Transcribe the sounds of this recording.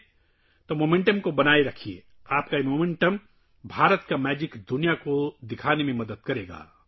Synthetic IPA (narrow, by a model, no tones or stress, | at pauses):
t̪omoːmẽɳʈəmkobɐnaːeɾɐkʰiḛ | aːp̚kaemoːmẽɳʈəm | bʱaːɾət̪kamɛːd͡ʒɪkd̪ʊnijakod̪ɪkʰaːnemẽmɐd̪əd̪̚kɐɾeːɡa̰ː